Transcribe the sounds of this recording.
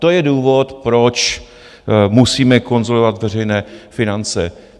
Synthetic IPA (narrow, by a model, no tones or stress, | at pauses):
t̪o̞jɛduːvo̞t̪pɾo̞t͡ʃ | musiːmɛko̞nzolovat̪vɛr̝ɛjnɛːfɪnant͡sɛ